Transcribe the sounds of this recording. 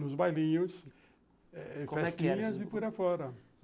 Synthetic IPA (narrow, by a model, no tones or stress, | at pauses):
nʊzbajlĩɲʊs | ɛkfɛɛtĩɲɐzɪfuɾɐfɔɾɐ